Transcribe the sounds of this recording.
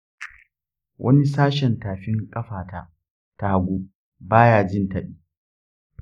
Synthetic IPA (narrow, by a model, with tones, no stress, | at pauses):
wʔɐ̰˦ni˦saː˦ʃɛ˨ntaː˨ɸɪ˦ŋkʼɐ˦ɸaː˨ta˦˨ | ta˨ha˨ɡʷu˦ | baː˦jaː˨d͡ʒɪ˦˨ntɐ˨ɗiː˦